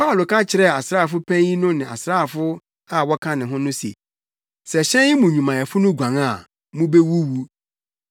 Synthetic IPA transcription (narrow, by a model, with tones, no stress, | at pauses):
pʰa˦ʊ˨lo˨kʰã˦t͡ɕʰɪ˨ɾɛ˦˨a˨sɾaː˦˨fʊ˦pʰæ̃˦ĩ˦nʊ̃˦nɪ̃˨a̰˨sɾaː˦˨fʊ˦ | a˨wɔ˦kʰã˦nɪ̃˨ɦʊ̃˦nʊ̃˦sḛ˨ | sɛ˨ɕɛ̃˦jɪ˦mũ˨ɲũ˨mã˨ɛ˨fʊ˦nʊ̃˦ɡʷã˨ŋa˦˨ | mũ˦be˦wu˦wu˦